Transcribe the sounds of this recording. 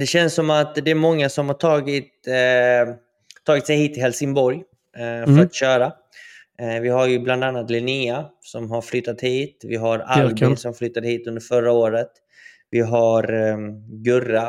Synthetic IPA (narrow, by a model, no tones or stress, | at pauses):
d̪ɛɕɛnsːɔmat̪d̪ɛæɾmɔŋːasɔmhaʈʰɑːɡɪt̪ | t̪ʰːɑːɡɪt̪sɛjhiːt̪ʰːɪlhɛlsɪŋbɔɾj | fœɾat̪ɕœːɾa | vɪɦaɾjɵbland̪anːat̪lɛniasɔmɦaɾflʏt̪ːat̪hiːt̪vɪɦaɾalbɪnsɔmflʏt̪ːad̪əhiːt̪ɵnd̪əɾfœɾːaoːɾət̪ | vɪɦaɾ | ɡɵra